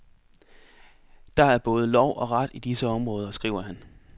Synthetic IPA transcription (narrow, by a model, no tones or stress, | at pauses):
d̥ɑ̈æɐb̥ɔ̽ːð̞ˠəlɒʊ̰ʔɒ̽ʁɑd̥id̥isəɒ̽mʁɔ̽ːð̞ˠɐsɡ̥ʁḭːʊ̰ɐɦæn